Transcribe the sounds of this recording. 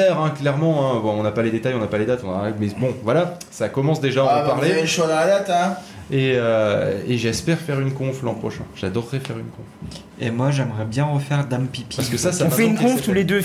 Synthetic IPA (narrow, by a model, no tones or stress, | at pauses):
ɛʁɛ̃klɛʁmɑ̃ɛ̃bɔ̃ɔ̃napaled̪et̪ajɔ̃napaled̪at̪ɔ̃nɔʁamɛbɔ̃vwala | sakɔmɑ̃sd̪eʒãpaʁleɛʃwad̪ɑ̃lad̪at̪ɛ̃ | eøeʒɛspɛʁfɛʁynkɔ̃flɑ̃pχɔʃɛ̰̃ʒ̥ad̪ɔʁːɛfɛʁynkɔ̃f | emwaʒɛmʁɛbjɛ̃ʁəfɛʁd̪ampipiaskəsasaɔ̃fɛynkɔ̃ft̪uled̪ø